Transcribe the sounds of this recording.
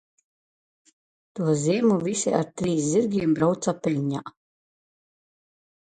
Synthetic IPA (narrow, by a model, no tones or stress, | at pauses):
t̪uɔzʲiɛmuvisʲḭaɾt̪ɾiːsziɾɡʲiɛmbɾawt̪sapʲɛlʲɲa̰ʔ